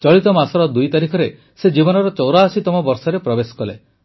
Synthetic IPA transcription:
t͡ʃɔɭit̪ɔmasɔɾɔd̪ujt̪aɾikʰɔɾe | sed͡ʒibɔnɔɾɔt͡ʃɔwɾaːsit̪ɔmɔbɔɾsɔɾepɾɔbesɔ̥kɔlḛ

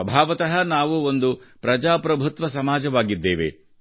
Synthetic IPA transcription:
ɐbʱaːʋɐt̪ɐɦɐnaːʋuond̪upɾɐd͡ʒaːpɾɐbʱut̪ʋɐsɐmaːd͡ʒɐʋaːɡid̪ːeːʋḛ

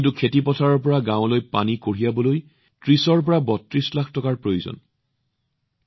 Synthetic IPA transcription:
ntukʰetipɔtʰaɹɔɹpɔɹaɡãʊ̃lojpa̰nikoɹijabɔloj | tɹisɔɹp̬ɔɹabɔtɹislakʰtɔkaɹpɹojuzɔ̰n

